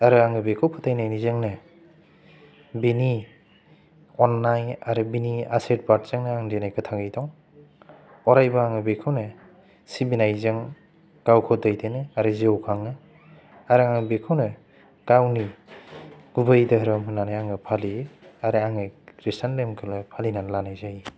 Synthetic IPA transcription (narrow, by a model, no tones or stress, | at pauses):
aɾɯaŋɯbekʰawpʰatʰajnajnizɯŋnɯ | bini | ɔnːaja̰ɾɯbinia̰set̚baɾtz̥ɯŋnɯaŋdenajkɯtʰaŋɯjdɔŋ | ɔɾajbaaŋɯbekʰɯwnɯ | sibinajzɯŋ | ɡ̥awkʰɔdajdenɯaɾɯzewkʰaŋɯ | aɾɯaŋɯbekʰɯwnɯ | ɡ̥awni | ɡ̥ubɯjdɐɦɾɯmɯnanajaŋɯpʰaliaɾɯaŋɯɾistʰanlemkʰɯlɯpʰalinanlanajzaj